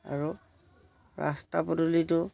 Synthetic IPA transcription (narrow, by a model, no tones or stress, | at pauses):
a̰ɹu | ɹʔa̰stapɔtulitʊ